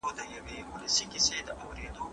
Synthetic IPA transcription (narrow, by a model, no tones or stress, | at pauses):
od̪əjɐweʊlɐsikɪsed̪əʔawɾeːd̪o